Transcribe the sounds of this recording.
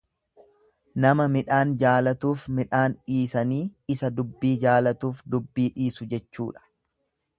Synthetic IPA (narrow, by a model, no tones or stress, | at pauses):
nɐmɐmɪᶑaːnd͡ʒaːlɐt̪uːfmɪᶑaːnᶑiːsɐniːɪsɐd̪ʊbːiːd͡ʒaːlɐt̪uːfd̪ʊbːiːᶑiːsʊd͡ʒɛt͡ʃːṵːᶑɐ̥